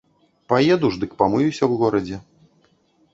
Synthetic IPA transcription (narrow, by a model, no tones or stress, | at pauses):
pajɛd̪uʐd̪ɨkpamɨjusʲɐwɣɔɾɐd͡zʲɛ